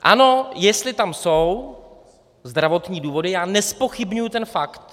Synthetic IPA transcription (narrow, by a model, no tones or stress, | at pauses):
ʔa̰no̞jɛst̪lɪt̪amsow | zd̪ɾavo̞t̪ɲiːduːvo̞dɪjaːnɛspo̞xɪbɲujut̪ɛnfakt̪